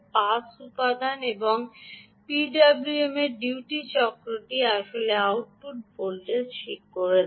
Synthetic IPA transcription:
pasupad̪ʱaneboŋ | piɖabluemeɾɖiʈit͡ɕɔkɾoʈiaʃoleawʈ̚puʈ̚polʈeɾʃʰikːoɾe

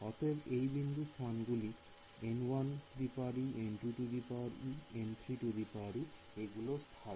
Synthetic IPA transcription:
ɔt̪ebejbind̪ʱust̪ʰanɡuli | enwand̪ipaɾienʈuʈud̪ipaɾient̪ʰɾiʈud̪ipaɾi | eɡulost̪ʰa

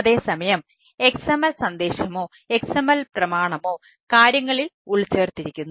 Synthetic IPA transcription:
ɐðe̞ːsɐmɐjɐm | e̞ksɐmɐlsɐnd̪e̞ːɕɐmo̞ː | e̞ksɐmɐlprɐmaːɳɐmo̞ː | kaːɾjɐŋːɐɭiluɭt͡ɕːeːrt̪ːiɾikʲːunːu

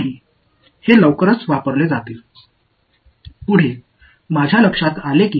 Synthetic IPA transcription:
ɦiː | heləʋkəɾət͡sʋapəɾled͡zat̪e | puɽ̤e | mad͡ʑʱjaləkʂat̪alekiː

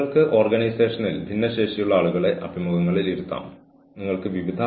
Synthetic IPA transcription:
ɐɭkɨʔo̞ːrɡɐnijse̞ːʂɐnilbʱinːɐɕe̞ːʂijuɭːɐaːɭuɣɐɭe̞ʔɐ̰bʱimuɣɐŋːɐɭiliɾut̪ːa̰ːm | niŋːɐɭkɨʋiʋid̪ʱa

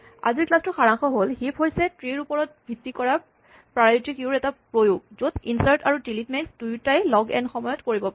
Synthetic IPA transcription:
a̰ziɹklastʊxaɹaŋxɔɦolhipɦojsɛtɹeɹupɔɹɔt̚bʱitːikɔɹa | pɹaajitikʊɹɛtapɹojoɡ̚zotinsaɹtaɹudilitmɛksdujtajlɔɡɛ̰nxɔmɔjɔtkoɹibɔpa

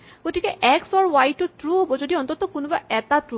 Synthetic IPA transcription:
ɡ̥otikɛʔɛksɔɹwajtːɔtɹuɦobɔzodiɔnt̪ɔtɔkunubaɛtatɹu

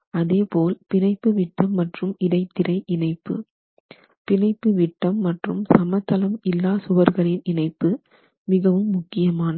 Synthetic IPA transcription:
ɐðeːpoːlpɪnɐɪpːɯʋɪʈːɐmːɐʈrɯmɪɽɐɪt̪ːɪɾɐɪʔɪnɐɪpːɯ̰ | pɪnɐɪpːɯʋɪʈːɐmːɐʈrɯmsɐmɐt̪ːɐlɐmɪlːaːsʊʋɐɾɣɐɭɪnɪnɐɪpːɯ | mɪɣɐʋɯmːʊkːɪjɐmaːnɐ

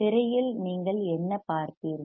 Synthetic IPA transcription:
ɪɾɐjɪlniːŋɡɐɭɛnːɐpaːɾt̪iːɾ

